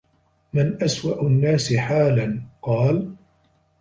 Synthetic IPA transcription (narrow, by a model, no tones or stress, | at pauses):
mɪnʔaswaʔʊnːaːsɪħaːlanqɑːl